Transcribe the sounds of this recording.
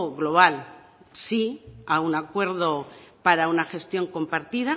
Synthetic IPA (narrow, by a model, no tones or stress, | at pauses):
ɣlo̞β̞al | siaunakwe̞ɾðo̞paɾaunaxe̞st̪jo̞ŋko̞mpaɾt̪iða